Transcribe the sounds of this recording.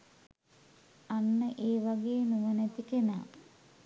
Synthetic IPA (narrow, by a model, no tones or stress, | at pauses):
anːəʔeːʋaɡeːnuʋənæt̪ikena̰ː